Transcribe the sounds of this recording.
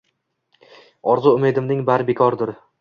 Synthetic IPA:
ɒɾzʊʊmed̪ɪmnɪŋbaɾbekʰɒɾd̪ɪɾ

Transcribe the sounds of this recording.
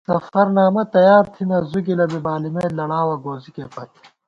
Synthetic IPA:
sɐfɐɾnaːmɐt̪ɐjaːɾt̪ʰinɐzuɡilɐbibaːlimeːlɐɽaːwɐɡoːzikepɐt̪

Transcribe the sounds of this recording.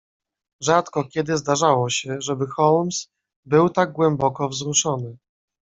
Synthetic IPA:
ʐat̪kɔkʲɛd̪ɘzd̪aʐawɔɕɛʐɛbɘxɔlms | bɘwt̪aɡ̚ɡwɛmbɔkɔvzɾuʂɔnɘ

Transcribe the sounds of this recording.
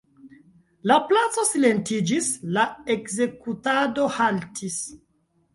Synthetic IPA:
laplat͡so̞sile̞ntid͡ʒislaekze̞kutado̞haltʰis

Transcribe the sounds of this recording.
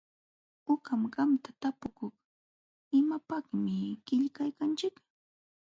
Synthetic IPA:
ʊkamɢɑmt̪at̪apʊkʊχ | ɪmapaχmɪkɪʎkajkant͡ʃɪk

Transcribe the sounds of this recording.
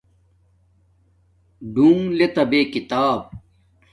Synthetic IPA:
ɖũːŋlet̪ɐbeːkit̪aːb̚

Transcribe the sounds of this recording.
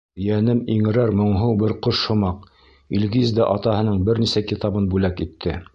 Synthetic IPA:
jænɘmiŋɘ̆ɾæɾmŏɴɦɤwbɘɾqoʃhŏmɑq | ilɡizd̪æʔɑt̪ɑhɤ̆nɤɴbɘɾnisækit̪ɑbɤnbʉlækit̪ʰːɘ

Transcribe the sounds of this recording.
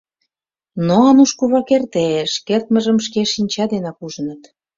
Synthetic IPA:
noɑnuʃkuβɑkert̪eʃkert̪məʒə̆mʃkeʃinʲt͡ɕɑd̪enɑkuʒə̆nət̪

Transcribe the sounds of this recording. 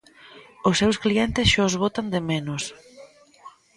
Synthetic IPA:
osːewskliɛnt̪ɪsʃɔzβot̪and̪emenʊs

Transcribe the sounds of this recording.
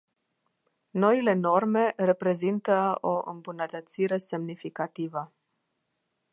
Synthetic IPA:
no̞ile̞no̞rme̞re̞pɾe̞zint̪əoʔɨ̰mbunət̪ət̪siɾe̞se̞mnifikat̪ivə

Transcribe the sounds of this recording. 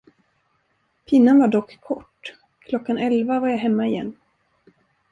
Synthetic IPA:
pʰɪnːanvaɖɔkːʰɔʈː | kʰlɔkːanɛlvavaɾjaɦɛmːaɪjɛ̰nː

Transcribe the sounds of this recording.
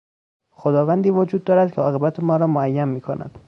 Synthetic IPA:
xod̪ɒːvænd̪iːvod͡ʒuːd̪̚ːɒːɾæd̪̥̚kcʰeɒːɣe̞bæt̪ʰemɒːɾɒːmoæjːænmiːkʰonʔæ̰d̪̥

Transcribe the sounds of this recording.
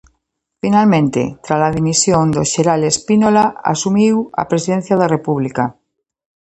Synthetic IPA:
finalmẽnt̪ḛt̪ɾazlaðimisjond̪oʃeɾalespinolaa̰sumiwa̰pɾesiðen̟θjaðarepuβlika

